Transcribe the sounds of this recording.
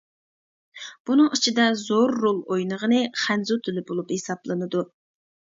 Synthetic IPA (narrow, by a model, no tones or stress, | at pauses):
b̥unɨŋit͡ʃʰid̪ɛzoɾːolˠojnəʁənɨχænzut̪ʰylɪbolˠuphesɑblˠɨnɨd̪u